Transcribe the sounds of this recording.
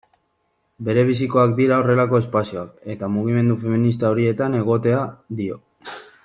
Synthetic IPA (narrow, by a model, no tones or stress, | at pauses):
be̞ɾe̞β̞isiko̞ak̚d̪iɾao̞re̞lako̞e̞spasio̞ake̞t̪amuɣ̞ime̞nd̪ufe̞minis̬t̪ao̞ɾie̞t̪ane̞ɣ̞o̞t̪e̞aðio̞